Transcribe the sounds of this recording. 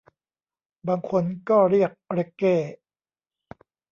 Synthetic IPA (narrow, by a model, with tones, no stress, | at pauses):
baː˧ŋkʰo˧nkɔː˥˩ɾi˥˩ək̚ɾe˦˥kːeː˥˩